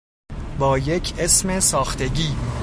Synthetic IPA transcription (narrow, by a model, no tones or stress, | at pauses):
bɒːje̞cʰʔe̞sme̞sɒːxt̪ʰe̞ɟiː